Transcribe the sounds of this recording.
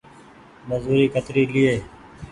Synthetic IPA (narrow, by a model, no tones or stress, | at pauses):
məzuːɾiːkət̪ɾiːlɪeː